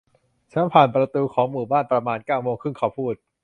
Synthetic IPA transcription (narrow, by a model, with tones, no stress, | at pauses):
t͡ɕʰa˦˥npʰaː˨˩npɾa˧t̪uː˧kʰɔː˩˦ŋmuː˨˩baː˥˩npɾa˧maː˧nkaː˥˩wmoː˧ŋkʰɯ˥˩ŋkʰaː˧˩wpʰuː˥˩t̪̚